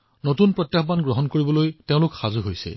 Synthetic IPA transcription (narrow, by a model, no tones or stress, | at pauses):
notunpɹɔtjaxbanɡɹɔɦɔnkoɹibɔlojteʊ̃lʊkxazuɦojsɛ̰